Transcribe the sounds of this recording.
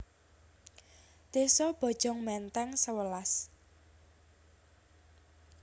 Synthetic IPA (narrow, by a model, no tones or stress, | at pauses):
d̪̥e̤sɔb̥ɔ̤d̥ʒ̥ɔ̤ŋmɛnt̪ɛŋsəwəlas